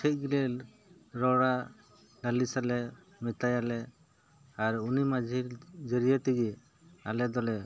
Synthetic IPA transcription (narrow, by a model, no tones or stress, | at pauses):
tʰɛc̚ɡilɛ | ɾɔɽa | ɖalisalɛ | mit̪ajalɛ | aɾunimad͡ʒʱiɾd͡ʒəɾijɔʈiɡi | alɛd̪ɔlɛ